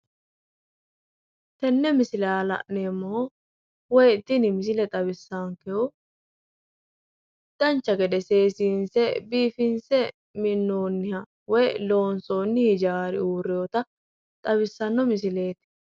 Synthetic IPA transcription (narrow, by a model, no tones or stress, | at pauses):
t̪ɛnːɛmɪsɪlaːlɐ̰ʔneːmːɔ | wɔjɪt̪ːɪnɪmɪs̬ɪlɛt̪ʼɐβɪsːaːŋkɛʊ | d̪̥ɐnt͡ʃːɐɡɛd̪ɛse̞ːsiːnsɛbiːfɪnsɛ | mɪnːoːnːɪhɐ | wɔjlo̞ːnsoːnːɪhɪd͡ʒaːɾɪuːɾːɪjot̪ɐ | t̪ʼɐbɪsːɐnːɔmɪs̬ɪle̞ːt̪ɪ̥